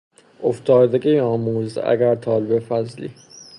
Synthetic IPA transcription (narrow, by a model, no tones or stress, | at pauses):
ʔoft̪ʰɒːd̪eɡejɒːmuːzæ̰ɡæɾt̪ʰɒːlebefæzlḭː